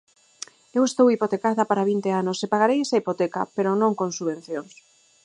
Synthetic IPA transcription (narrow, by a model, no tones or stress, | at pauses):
ewest̪owipot̪ekaðɐpaɾaβ̞int̪eanosepaɣ̞aɾejesaipot̪eka̰peɾonõŋkoŋsuβẽn̟θjoŋs